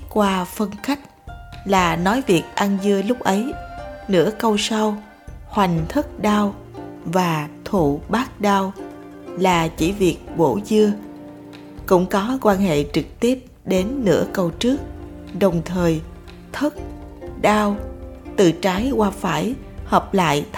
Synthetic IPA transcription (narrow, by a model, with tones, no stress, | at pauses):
kwaː˧fə˧nxa˦˥jk̟̚laː˨˩nɔ˨˦jvi˨˩ək̚ʔa˧nzɨ˧əlʊ˦˥k͡p̚ʔə˨˦jnɨ̰˧˥əkə˧wsa˧w | hwa˨˩jŋ̟t̪ʰə˦˥k̚ɗaː˧w | vaː˨˩t̪ʰṵ˧˨ɓaː˦˥k̚ɗaː˧w | laː˨˩t͡ɕḭ˧˩vi˨˩ək̚ɓo̰˧˩zɨ˧ə | kʊ̰˧˥ŋ͡mkɔ˨˦kwaː˧nɦḛ˧˨t͡ɕɨ˨˩k̚t̪i˦˥əp̚ɗe˨˦nːɨ̰˧˥əkə˧wt͡ɕɨ˦˥ək̚ | ɗə˨˩wŋ͡mt̪ʰəː˨˩j | t̪ʰə˦˥t̚ɗaː˧wt̪ɨ̰˧˨t͡ɕaː˨˦jkwaː˧faː˧˩jhəː˨˩p̚la̰ː˧˨j